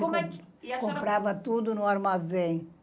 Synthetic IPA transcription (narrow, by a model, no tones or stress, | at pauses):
ɛkõmpɾavɐt̪ud̪ʊnʊaɾmazẽ